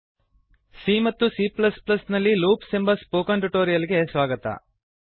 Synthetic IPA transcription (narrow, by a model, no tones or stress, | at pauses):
siːmɐt̪ːusiːplɐsplɐsnɐlːiluːpsembɐspoːkɐɳʈuʈoːɾijɐliɡe̞sʋaːɡɐt̪ɐ̰